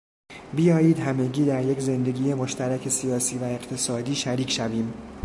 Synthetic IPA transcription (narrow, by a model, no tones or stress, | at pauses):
bijɒːjiːd̪hæme̞ɟiːd̪æɾje̞kze̞nd̪e̞ɡʲiːje̞moʃt̪ʰæɾæcʰe̞sijɒːsiːvæe̞ɢt̪ʰe̞sɒːd̪iːʃæɾiːcʰʃæviːm